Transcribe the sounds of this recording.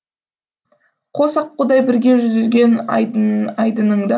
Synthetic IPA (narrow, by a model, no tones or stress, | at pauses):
qʰosɑq̚ːʊd̪ɑjbɪɾɡʲe̞ʒʏzɪlɡʲe̞n | ɑjd̪ənəɴd̪ɑ